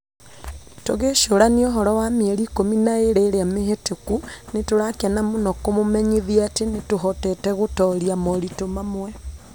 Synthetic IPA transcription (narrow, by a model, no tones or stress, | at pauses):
toɣeʃoɾanioɦɔɾɔwameɛɾiːkominaeɾeɾeameɦetekunetoɾakeanamonɔkomomɛɲeðiatenetoɦɔtɛtɛɣotɔɾiamɔɾitomamwɛ